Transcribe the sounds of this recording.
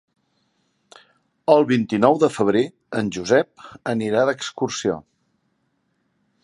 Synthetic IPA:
əlˠβint̪inɔwðəfəβ̞ɾe | ənʲʒuzɛp̚əniɾaðəkskursio̰

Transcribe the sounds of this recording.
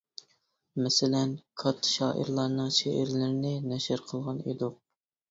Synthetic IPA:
mɛsɪlɛnkʰɑt̪ʰːʃɑːʔə̰ɾlˠɑɾnɨŋʃḛʔɪ̰ɾlɪɾɪnɪnɛʃɪɾqʰəlˠʁɑnḛd̪ʊq̚

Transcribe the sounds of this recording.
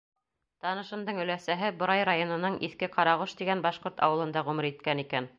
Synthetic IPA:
t̪ɑnɤ̆ʃɤ̆nd̪ɤɴɵ̆læsæɦɘbŏɾɑjɾajonɤ̆nɤɴʔiθkɘqɑɾɑʁoʃt̪iɡænbɑʃqoɾt̪ɑ̰wɤ̆lˠɤ̆nd̪ɑʁʉmɘ̆ɾit̪̚kænikæn

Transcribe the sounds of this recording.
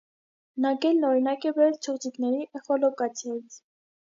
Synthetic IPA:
nɑkɛlnɔɾinɑkɛbɛɾɛlt͡ʃʰɔʁd͡ziknɛɾiʔɛχɔlɔkɑt͡sʰjɑjit͡sʰ

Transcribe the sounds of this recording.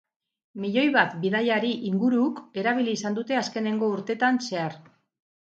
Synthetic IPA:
miʎo̞jβat̪biðajaɾiʔiŋɡuɾuke̞ɾaβ̞iliːsand̪ut̪e̞aske̞ne̞ŋɡo̞uɾt̪e̞t̪anse̞aɾ

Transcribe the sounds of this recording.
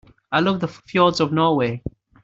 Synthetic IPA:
aɪlʊkðəffjilˠdzɔvnɔweɪ

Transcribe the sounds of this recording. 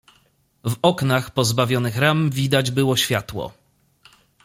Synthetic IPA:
vɔknaxpɔzbavʲjɔnɘxɾamvʲid̪ad͡ʑbɘwɔɕfʲjat̪wɔ̰

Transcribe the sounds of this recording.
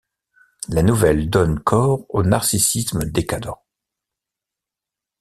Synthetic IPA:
lanuvɛld̪ɔnkʰɔʁonaʁsisisməd̪ekad̪ɑ̃

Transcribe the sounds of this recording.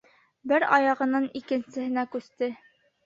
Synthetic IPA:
bɘɾɑjɑʁɤ̆nɤnikɘ̆nsɘ̆hɘ̆nækʉst̪ɘ

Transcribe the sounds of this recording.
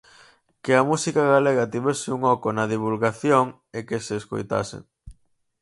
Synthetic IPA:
keɐmusikaɣaleɣɐt̪iβesɪuŋɔkonɐðiβ̞ulɣaθjoŋ | ekeseːsko̰jt̪a̰sɪ̰

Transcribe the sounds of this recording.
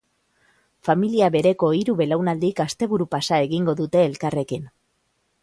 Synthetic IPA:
familiaβe̞ɾe̞ko̞iɾuβe̞lawnald̪ikast̪e̞βuɾupasae̞ɣiŋɡo̞ðut̪e̞ːlkare̞kin

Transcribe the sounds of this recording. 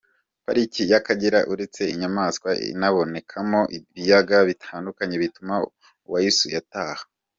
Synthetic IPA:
paɾicijakaɟiɾaʔuɾet͡se̞iɲamaskwaḭnaβo̞ne̞kʰamo̞ʔiβijaɡaβitʰaːndukaɲe̞βituma | uwajisujataːhḁ

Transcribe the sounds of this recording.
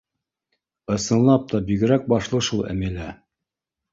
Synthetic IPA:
ɤ̆sɤ̆nlːˠɑp̚t̪ɑbiɡɘ̆ɾæk̚bɑʃlˠɤʃulˠæ̰mælæ

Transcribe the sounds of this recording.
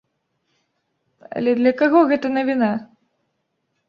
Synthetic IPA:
ɐ̰lʲɛd̪lʲɐkaɣɔɣɛt̪ɐnɐvʲina

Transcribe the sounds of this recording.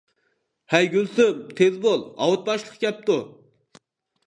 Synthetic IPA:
hɛjɡʲylsymt̪ʰezbolˠɑ̰wut̪̚bɑʃlˠəqɡʲɛp̚t̪u

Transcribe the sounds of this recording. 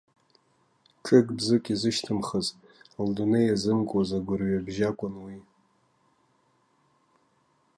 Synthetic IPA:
ʈ͡ʂʼɨkʼbzɨkʲʼizɨʃtʰɨmχəz | ldonejazɨmkʷʼazaɡʷʊrɥabʒakʷʼʊnwi

